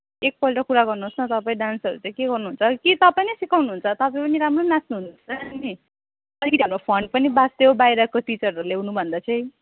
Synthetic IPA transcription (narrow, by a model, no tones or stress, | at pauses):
ek̚pʌlʈʌkuɾaɡʌrnuɦosnʌt̪ʌpaĩɖansʌɾut͡sʌj̃keɡʌrnuɦunt͡sʰʌkit̪ʌpaĩnʌsikawnuɦunt͡sʰʌt̪ʌpaĩpʌniɾamronasnuɦunt͡sʌni | ʌlikʌt̪iɦamropʰʌɳɖ̚pʌnibasd̪ebajɾʌkoʈit͡sʌrʌlewnubʱʌnd̪at͡sʌ̃j̃